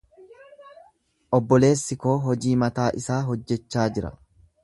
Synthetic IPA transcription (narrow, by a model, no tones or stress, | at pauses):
ʔɔbːɔle̞ːsːɪko̞ːɦɔd͡ʒiːmɐt̪aːʔɪsaːɦɔd͡ʒːɛt͡ʃːaːd͡ʒɪɾɐ̰